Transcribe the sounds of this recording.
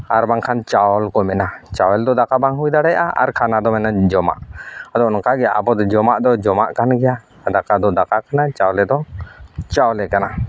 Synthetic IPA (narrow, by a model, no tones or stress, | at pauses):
aɾbaŋkʰant͡ʃaɔlkɔmɛnat͡ʃawɛld̪ɔd̪akabaŋɦujd̪aɽɛjʔa̰a̰ɾkʰanad̪ɔmɛnad͡ʒɔma̰ʔad̪ɔnɔkaɡɛjaabɔd̪ɔd͡ʒɔmaʔd̪ɔd͡ʒɔma̰ʔkanɡɛja | d̪akad̪ɔd̪akakanat͡ʃawɔlɛd̪ɔt͡ʃawɔlɛkana